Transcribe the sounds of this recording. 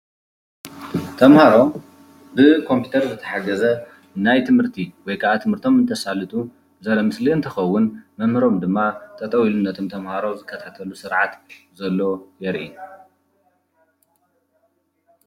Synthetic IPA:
t̪ʰɐmhaɾo̞m | bɨkʰo̞mpʰjut̪ʰɐɾzɨt̪ʰɐ̥ħaɡɐzɐ | najt̪ʰɨmhɨɾt̪ʰiwɔjkʰaʔat̪ʰɨmhɨɾt̪ʰo̞mɨnt̪ʰɐsalɨt̪ʼu | zɐɾɐmɨsliɨnt̪ʰɨxɐwːʊnmɐmhɨɾo̞md̪ɨmːat̪ʰʼɐt̪ʼɐwilunːɐt̪ʰomt̪ʰɐmhaɾo̞zɨkʰːɐt̪ʰat̪ʰɐlusɨɾʕat̪zɐlːo̞jɛɾʔi

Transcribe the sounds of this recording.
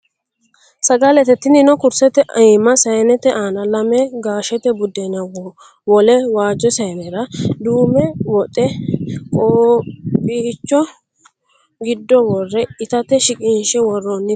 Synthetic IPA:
sɐɡalɛt̪ɛt̪ːɪnɪnɔkʊɾsɛt̪ɛʔɐmɐsɐjnɛt̪ɛʔaːnɐlɐmɛɡaːʃɛt̪ɛbʊd̪ɛnɐwɔ | wɔlɛwaːd͡ʒːɔsɐjnɛɾɐd̪uːmɛwɔt̪ʼɛkʼoːbiːt͡ʃːɔ | ɡɪd̪ːɔwɔrːɛɪt̪ɐt̪ɛʃɪkʼɪnʃɛwɔrːonːɪ

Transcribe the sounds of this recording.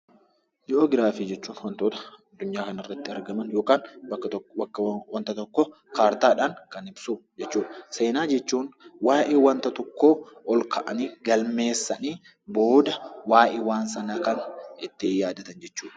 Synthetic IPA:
jɪʔoːɡɪɾaːfɪd͡ʒɛt͡ʃːuːnwɐnt̪oːt̪ɐ̥ɐd̪ːʊɲːaːkɐnɪrːɐt̪ːɪɐɾɡɐmɐnjo̞ːkaːnbːɐt̪ːbɐkːwɐnt̪ɐt̪ɔkːo | kaːɾt̪aːᶑaːŋkɐnɪbsuːd͡ʒɛt͡ʃːuːᶑse̞ːnaːd͡ʒɛt͡ʃːuːnwaːʔeːwɐnt̪ɐt̪ɔkːoːɔlkʰɐʔɐ̰niːɡɐlme̞ːsːɐniː | bo̞ːd̪ɐwaːjʔeːwaːnsɐnaːkɐnɪt̪ːɪjaːd̪ɐt̪ɐnd͡ʒɛt͡ʃːuːᶑɐ̥

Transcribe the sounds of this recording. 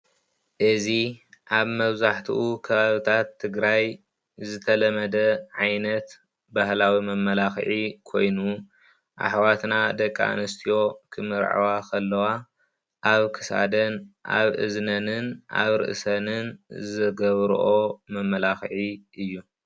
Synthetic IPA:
ʔɨziʔaβmɐβzaħt̪ʰḭʔukʰɐβaβɨt̪ʰat̪ʰːɨɡɾaj | zɨt̪ʰɐlɐmɐd̪ɐʕajnɐt̪ | bahlawimɐmːɐlaxʕikʰo̞jnu | ʔa̰ħwat̪nad̪ɐkʼːa̰nɨst̪ʰijo̞kʰɨmɨɾʕa̰wakʰɐlːɐwa | ʔaβkʰɨsa̰d̪ɐnʔa̰βʔɨ̰znɐnɨnʔa̰βɾɨ̰ʔsɐnɨnzɨɡɐβɾ̰ʔo̞mɐmːɐlaxʕiʔɨjːu

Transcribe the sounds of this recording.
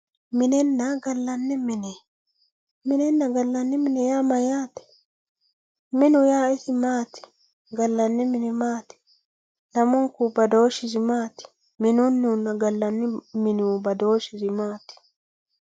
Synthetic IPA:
mɪnɛnːɐɡɐlːɐnːɛmɪnɛ | mɪnɛnːɐɡɐlːɐnːɛmɪnɛjaːmɐjaːt̪ɛ̥ | mɪnʊjaːɪsɪmaːt̪ɪ̥ | ɡɐlːɐnːɛmɪnɛmaːt̪ɪ̥ | nɐmʊŋkʊbɐd̪oːʃɪzɪmaːt̪ɪ̥ | mɪnʊnːunːɐɡɐlːɐnːɛmɪnubɐd̪o̞ːʃɪzɪmaːt̪ɪ̥

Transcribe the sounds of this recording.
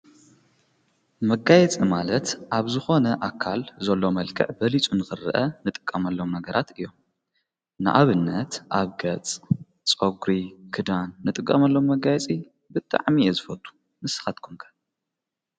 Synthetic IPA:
mɐɡajɛt͡sʼimalɐt̪ʔaβzɨxo̞nɐʔakʰːalzɐlːo̞mɐlkʰɨ̰ʕbɐlit͡sʼunɨxɨrːɨ̰ʔɐnɨt̪ʼɨ̥kʼːɐmɐlːomnɐɡɐɾʔat̪ɨjːom | nɨʔaβɨnːɐt̪ʔaβɡɐt͡sʼ | t͡sʼoɡɾikʰɨd̪anːɨt̪ʼɨkʼːɐmɐlːo̞mːɐɡajɛt͡sʼi | bɨt̪ʼa̰ʕmiezɨfɐt̪ʼu̥ | mɨsɨ̥xat̪̚kʰumkʰɐ̥

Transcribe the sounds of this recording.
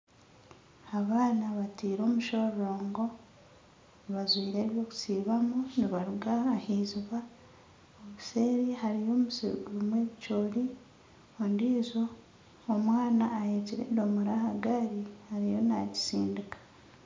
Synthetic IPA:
aβaːnaβatiːɾo̞ːmuʃo̞ɾːo̞ːŋɡo̞ | βazwiːɾeːβjo̞ku̥siːβamuniβaɾuɡaːhiːziβa | oβuse̞ːɾihaɾijo̞ːmusḭɡuɾumwe̞ːβit͡ʃoːɾi | ondiːzo̞ː | mwaːnaːjeciɾḛdomuɾahaɡaɾihaɾijo̞na̰ɟi̥siːndikḁ

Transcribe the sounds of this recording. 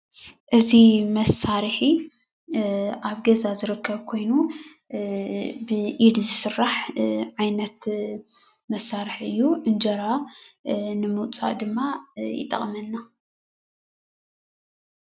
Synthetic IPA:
ʔɨzimɐsːaɾħi | ʔaβɡɐzazɨɾɨkʰːɐβkʰo̞jnu | bɨʔid̪zɨsɨrːaħʕajnɐt̪ | mɐsːaɾɨħʔɨ̰jːuʔɨnd͡ʒɐɾa | nɨmɨwt͡sʼa̰ʔd̪ɨmːajɪ̰t̪ʼːɐ̰χʼmɐnːa

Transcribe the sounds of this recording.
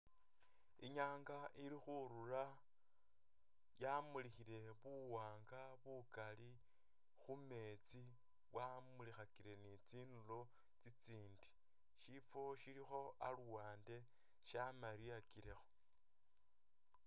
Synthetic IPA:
iɲaːŋɡaʔiɾixuɾura | jamulixile̞βuwaːŋɡaβukali | xume̞t͡si | βwamulixakiɾe̞nit͡siːnulo | t͡sit͡siːndi̥ | ʃifo̞ʃilixo̞a̰luwaːnde̞ | ʃamaɾiakiɾexo̞̥

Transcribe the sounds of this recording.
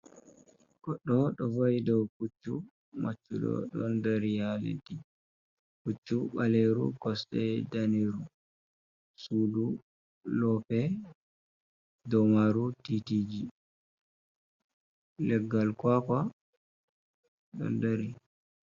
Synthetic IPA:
ɡ̥ɔɗːɔɗɔvajidɔwkut͡ʃːu | mat͡ʃːṵɗɔ̰ɗɔndaɾijalḛti | kut͡ʃːuɓaleɾṵkɔstɛdaniɾu | suːdu | lɔpɛ | dɔmaɾutitid͡ʒi | lɛɡːalkwaka | ɗɔ̰ndaɾi

